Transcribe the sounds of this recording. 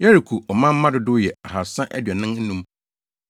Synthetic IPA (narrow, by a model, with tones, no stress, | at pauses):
jɛ˦ɾi˨kʰu˨ʔɔ˨mã˦m̩˦mã˦dʊ˨˦dʊ˦jɛ˨a˨ɦa˨sã˦ʔæ˦dɥɛ˨nɪ̃˦ŋn̩˦nũ˦m